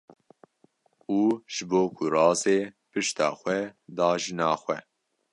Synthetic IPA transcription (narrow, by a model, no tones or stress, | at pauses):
uːʒ̥ɨboːkʰʊrɑːzeːpɨʃt̪ɑ̰ːxʷɛd̪ɑːʒɨnɑːxʷɛ̰